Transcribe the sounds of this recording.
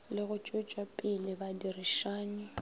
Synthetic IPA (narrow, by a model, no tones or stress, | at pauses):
lɪɣʊt͡ʃʼʊt͡ʃʼwapʼɪlɪbadirɪʃaːnɪ